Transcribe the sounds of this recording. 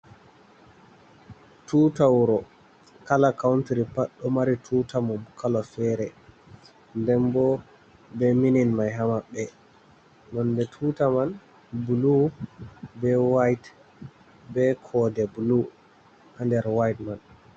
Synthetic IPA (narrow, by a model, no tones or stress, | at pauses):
tuːtawɾɔ | kalakawntiɾipaɗːɔmaɾitʰutamɔmkʰalɔfɛɾɛ | ndɛmbɔ | bɛmininmajɦamaɓɛ | mɔndɛtʰuːtaman | bulu | bɛwajt | bɛkʰɔdɛbulu | ʔandɛɾwajtman